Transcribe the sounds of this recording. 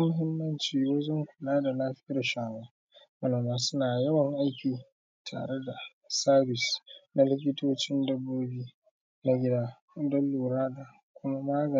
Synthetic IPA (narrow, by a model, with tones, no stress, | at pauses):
a˦mʊ˨ɦɪ˦mːɐ˦nt͡ʃiː˦woː˦zʊ˦ŋkʷʊ˨naː˦da˨laː˦ɸɪ˦i˦da˨ʃaː˨waː˦ | mɐ˦na˨maː˨sʊ˦naː˨jɐ˦wɐ˨ŋʔa˦jkʲiː˨ | tʰa̰ː˨ɽe˦da˨ | saː˦bɪ˨sna˦lɪ˦k̬ʲɪ˦toː˦t͡ʃɪ˦ndɐ˦boː˦biː˦ | na˦ɡʲɪ˦daː˦ | dɐ˦lːuː˨ɾaː˦da˨ | kʷʊ˦ma˦maː˦ɡɐ˨˦